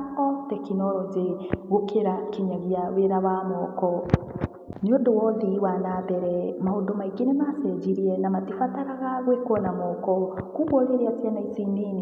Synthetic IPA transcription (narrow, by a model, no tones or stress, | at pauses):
kɔtɛkinɔɾɔzeɣokʰeɾakiɲaɣiaweɾaβamɔːkɔ | neondowɔðiwanaːbɛɾɛmahondomaiɡenemasɛd͡ʒiɾiɛnamatifataɾaɣaɣwekɔnamɔkɔkuβɔɾeɾeasjanaisinini